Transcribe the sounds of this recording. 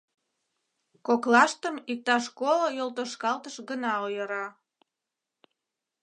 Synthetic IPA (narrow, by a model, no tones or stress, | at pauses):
koklɑʃt̪əmik̚t̪ɑʃkolojolt̪oʃkɑlt̪əʃɡənɑojəɾɑ